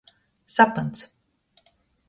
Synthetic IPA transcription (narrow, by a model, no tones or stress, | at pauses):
sapɨnt̪s